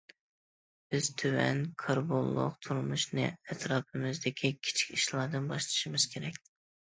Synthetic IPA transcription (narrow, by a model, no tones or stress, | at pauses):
b̥ɪz̥t̪ʰøwɛ̰nkʰɑɾbolˠːʊ̰qt̪ʰuɾmuʃnɨ̰ɛt̪ɾɑːpʰɨmɪzd̪ɪkʲʰikʲʰi̥t͡ʃʰi̥kʲiʃlˠɑɾd̪ɨnbɑʃlˠɨ̥ʃimɨz̥kʲʰeɾɛkʲ